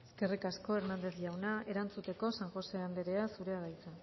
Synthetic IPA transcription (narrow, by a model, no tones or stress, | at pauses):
eske̞rikasko̞e̞ɾnand̪e̞θʝawnae̞ɾant͡sut̪e̞ko̞saŋxo̞se̞and̪e̞ɾe̞asuɾe̞aðajt͡sa